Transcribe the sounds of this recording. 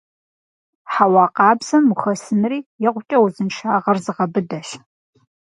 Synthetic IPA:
ħawɑːqɑːbz̥ɐmuxɐsɨnɨriːjɛʁʷʊt͡ʃʼɐwuzɨnʃʰaːʁɐrzɨʁɐbɨdɐʃ

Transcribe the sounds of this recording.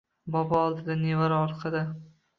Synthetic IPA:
bɒbɒɒlˠd̪ɪd̪anevaɾɒɾt̪qʰɑd̪ɪ

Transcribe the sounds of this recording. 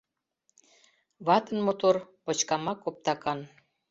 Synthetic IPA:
βɑt̪ə̆nmot̪orpŏt͡ɕkɑmɑkop̚t̪ɑkɑn

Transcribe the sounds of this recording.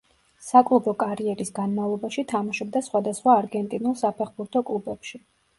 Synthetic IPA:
sakʼlˠubɔkʼaɾiɛɾisɡanmavlˠɔbaʃit̪ʰamaʃɔb̚d̪asχwad̪asχwaːɾɡɛnt̪ʼinulˠsapʰɛχbuɾt̪ʰɔkʼlˠubɛpʃi

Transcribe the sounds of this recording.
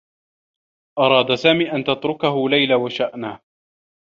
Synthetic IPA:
ʔɑɾˤɑːd̪asaːmiːʔant̪at̪ɾʊkaɦʊlajlawaʃaʔnaː

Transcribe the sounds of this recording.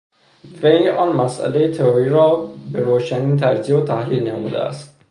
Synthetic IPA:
vejʔɒːnmæsʔæ̰lejet̪ʰeɾoɾiɾɒːbeɾoːʃæniːnt̪ʰæɾziːbot̪ʰæhliːlnæmṵːd̪ḛæ̰st̪̚

